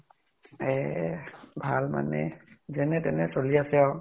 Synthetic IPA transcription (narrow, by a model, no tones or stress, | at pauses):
ɛ | bʱalma̰nɛ̰zɛnɛtɛnɛsoliasɛa